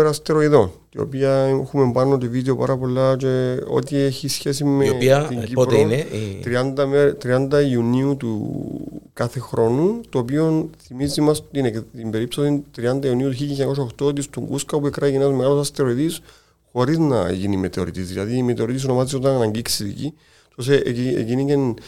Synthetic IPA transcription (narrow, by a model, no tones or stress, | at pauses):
ɾɐst̪eɾoiðo̞nt̪io̰piɐxume̞mbɐnot̪oviðeo̞pa̰ɾɐpo̞lːɐt͡ʃe̞o̞̰t̪ieçisçe̞simeiiɲɟitɾnt̪ɾiɐnd̪ɐmet̪ɾiɐnd̪ɐiuniut̪ṵ | kɐθe̞xɾʔo̞nut̪oːpio̞nθimizimɐst̪inet̪imbe̞ɾipsosint̪ɾiɐnd̪ɐiuniut̪uçiliɲako̞s̬aoxt̪ot̪ist̪uŋɡuskɐopuekɾɐʝinɐzmealosɐst̪eoɾit̪is | xo̞ɾiznɐ̰ʝinime̞t̪eo̞̰ɾḭt̪izðilɐðiːmet̪eo̞ɾit̪is̬ono̞mazio̞t̪ɐnɐnɐɲɟiksiðḭci | t̪os̬eʔciḛcinicen